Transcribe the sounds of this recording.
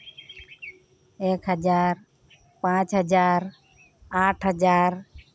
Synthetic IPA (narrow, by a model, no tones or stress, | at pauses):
ekɦəd͡ʒaɾ | pãt͡ʃɦəd͡ʒaɾ | aʈʰɦəd͡ʒaɾ